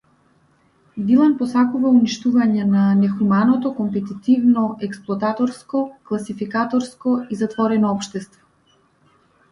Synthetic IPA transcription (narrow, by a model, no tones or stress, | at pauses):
d̪ilˠanpɔsakuvauniʃt̪uvaɲɛnanɛxumanɔt̪ɔkɔmpɛt̪it̪ivnɔʔɛksplˠɔat̪at̪ɔɾskɔklˠasifikat̪ɔɾskɔizat̪vɔɾɛnɔɔpʃt̪ɛst̪vɔ̥